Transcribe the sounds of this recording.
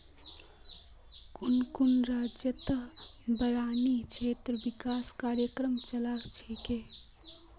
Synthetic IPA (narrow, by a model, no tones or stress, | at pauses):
kunkunɾad͡ʒjət̪əɦbəɾaːnit͡ʃʰet̪ɾəbikaskaːɾjəkɾəmt͡ʃəlakt͡ʃʰeke